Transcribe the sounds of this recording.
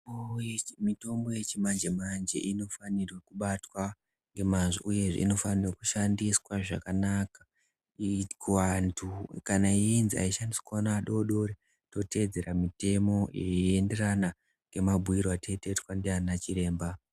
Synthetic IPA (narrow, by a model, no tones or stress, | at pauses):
omito̞mbo̞je̞t͡ʃimand͡ʒe̞mand͡ʒe̞̰ʔino̞fanirwekuɓatwa | ŋɡe̞manʐo̰ʔuje̞ʐḛḭno̞fanirokuʃandiswaʐa̰kanakḁ | ikwantʰukanaiinzia̰iʃandiswanaːɗo̞ɗo̞ɾe | to̞te̞d͡ze̞ramite̞mo̞jḛende̞rana | ŋɡe̞mabʱuiɾoatʰetetwandeanat͡ʃiɾe̞ːmba